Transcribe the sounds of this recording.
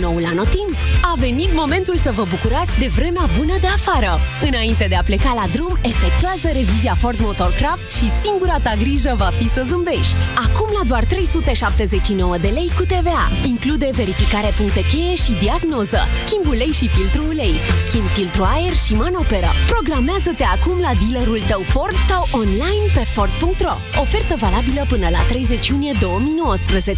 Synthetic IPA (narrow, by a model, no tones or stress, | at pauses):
no̞wulanot̪imbave̞nit̪mo̞me̞nt̪ulsəvəbukuɾat̪sk̚ʲd̪e̞vɾe̞meabunəd̪e̞afaɾəɨnaint̪e̞d̪eaple̞kalad̪ɾume̞fe̞k̚t̪uazəɾe̞viziafo̞rt̪mo̞t̪o̞rkɾaft̪ʃisiŋɡuɾat̪aɡɾiʒəvafisəzɨmbe̞ʃt̪ʲakumlad̪oart̪ɾe̞jsut̪e̞ʃap̚t̪e̞ze̞t͡ʃːino̞wəd̪e̞le̞jkut̪e̞ve̞a̰iŋklud̪e̞ve̞ɾifikaɾe̞puŋk̚t̪et̪eeʃid̪iaɡno̞zə̰skʲimbule̞jʃifilt̪ɾule̞jskʲimb̪filt̪ɾuaerʃimano̞pe̞ɾə̰pɾo̞ɡɾameazət̪e̞akumlad̪ileɾult̪əwfo̞rd̪sawʔonlajnpe̞fo̞rd̪̚puŋk̚t̪ro | o̞fe̞rt̪əvalabiləpɨnəla̰t̪ɾe̞jze̞t͡ʃijunije̞d̪o̞wəmijno̞wəspɾəzet͡ʃ